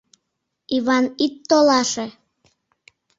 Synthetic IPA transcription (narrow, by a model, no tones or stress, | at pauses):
iβɑnit̪ːolɑʃe